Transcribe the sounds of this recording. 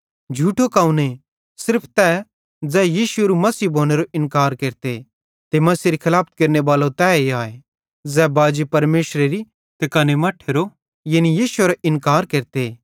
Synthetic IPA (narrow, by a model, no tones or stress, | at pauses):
d͡ʒʱuːʈʰokaːʊ̃ne | sɪɾpʰt̪ɛ | d͡zɛjiːʃueɾumɐsiːbʱoːñeɾoʔɪ̃nkaːɾkeːɾt̪e | t̪emɐsiːɾikʰɪlaːpʰət̪̚keːɾneʋaːlot̪ɛːeaːe | d͡zɛːbaːd͡ʒipɐɾmeːʃɾeɾi | t̪ekaːnemɐʈʰːeːɾo | jɐnijiːʃʊeɾoʔɪnkaːɾkeːɾt̪e